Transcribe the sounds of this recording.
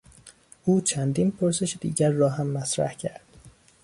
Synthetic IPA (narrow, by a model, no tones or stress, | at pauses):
ʔuːt͡ʃʰænd̪iːnpʰoɾse̞ʃed̪ḭːɟæɾːɒːɦæmːæsɾæ̰hcʰæɾd̪̥